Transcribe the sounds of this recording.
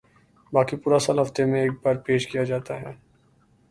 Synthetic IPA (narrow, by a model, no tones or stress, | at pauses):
baːkipuːɾasaːlɦɐft̪emẽeːk̚baːɾpeːʃkijad͡ʒaːt̪aɦɛː